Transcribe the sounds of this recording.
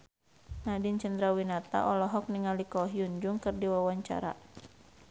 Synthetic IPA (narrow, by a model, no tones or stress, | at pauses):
nadint͡ʃəndɾawinat̪a̰ʔɔlɔɦɔk̚niŋalikɔɦjund͡ʒuŋkɨrdiwawaɲt͡ʃa̰ɾa̰